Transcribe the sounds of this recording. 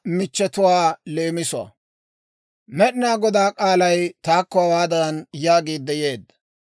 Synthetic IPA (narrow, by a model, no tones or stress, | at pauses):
mɪt͡ʃːɛt̪ʊwaːle̞ːmɪsʊɐ̰ | mɛɗɪnaːɡɔd̪aːkʼaːlɐjt̪aːkːɔhɐwaːd̪ɐɾɐnjaːɡiːd̪ːɛjeːd̪ːɐ̥